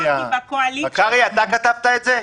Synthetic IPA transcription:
ãibakoalikaɡəjat̪akət̪ap̚t̪ajt͡se

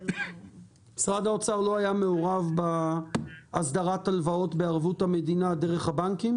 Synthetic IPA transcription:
sʁadaot͡saʁlo̞ajame̞oʁavba | asd̪aʁat̪alvao̞t̪beaʁvutame̞d̪inad̪eʁeχhabaŋkim

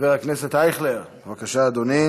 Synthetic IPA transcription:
veʁakneset̪ajχleʁ | vakaʃaːd̪oni

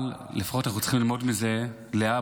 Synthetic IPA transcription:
llefḁχo̞tanaχut͡sə̥χimlilmo̞dmize̞ | lea

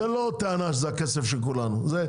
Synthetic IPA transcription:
elot̪eanaʃ̬zeakesefʃelkulanuze

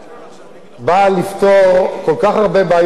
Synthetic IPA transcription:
balift̪oʁko̞lkaχaʁbebaːj

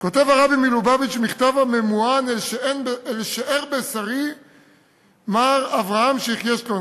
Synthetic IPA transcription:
ko̞t̪evaʁabimilubabit͡ʃmiχt̪avame̞muanlʃeenbeelʃaʔeʁbesaʁi | maʁavʁaamʃeiχjeʃlo

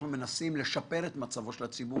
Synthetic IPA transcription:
nume̞nasimle̞ʃape̞ʁe̞t̪mat͡savo̞ʃelat͡sibu

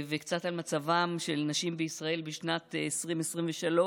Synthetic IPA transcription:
vekt͡sat̪almat͡savamʃelnaʃimbeisʁae̞lbiʃnatesʁimesʁimveʃalo

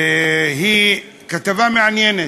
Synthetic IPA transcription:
ɦi | kat̪avameʕanjene

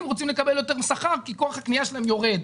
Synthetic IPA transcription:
mʁot͡simlekabe̞ljo̞t̪e̞ʁmesaχaʁkiko̞aχhakniaʃelaemjo̞ʁe̞d̪

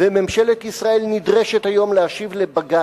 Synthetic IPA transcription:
vememʃe̞let̪isʁae̞lnid̪ʁe̞ʃet̪ajo̞mleaʃivlebaɡa

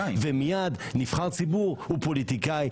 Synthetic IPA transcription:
vemijad̪nifχalt͡sibuʁupolit̪ikaj

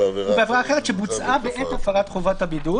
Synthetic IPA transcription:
ubeavʁaːχeʁet̪ʃebut͡sʔabeʔetafaʁat̪χovathabidu

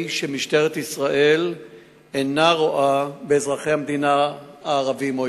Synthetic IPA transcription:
ʃemiʃte̞ʁet̪isʁaʔe̞l | enaʁoʔabeːzʁaχejhamed̪inaaːʁavimo

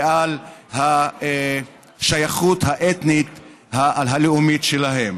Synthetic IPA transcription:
ʔalhae | ʃajaχut̪haʔet̪nit̪ | haalɦaleumitʃelaɦem

